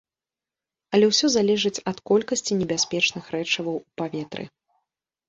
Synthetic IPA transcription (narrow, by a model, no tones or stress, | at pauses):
ɐlʲɛwsʲɔzalʲɛʐɨt͡sʲɐt̪kɔlʲkɐsʲt͡sʲinʲɛbʲasʲpʲɛt͡ʂnɨxɾɛt͡ʂɐvɐwupavʲɛt̪ɾɨ̰